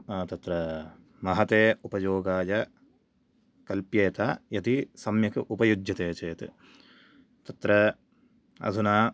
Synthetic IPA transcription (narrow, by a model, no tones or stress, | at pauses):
t̪ɐt̪ɾɐ | mɐɦɐt̪eːupɐjoːɡaːjɐ | kɐlpjɐːt̪aːjɐt̪isɐmjɐkɨʔupɐjud͡ʒjɐt̪eːt͡ʃeːt̪i | t̪ɐt̪ɾɐ | ɐ̰d̪ʱunaː